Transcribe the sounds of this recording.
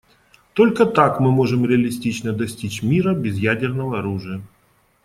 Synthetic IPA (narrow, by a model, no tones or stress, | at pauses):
t̪olʲkət̪akmɨmo̞ʐɨmɾʲɪɐlʲɪsʲtʲit͡ɕn̪əd̪ɐsʲtʲit͡ɕmʲiɾəbʲɪzjædʲɪrnəvəɐɾuʐɨjə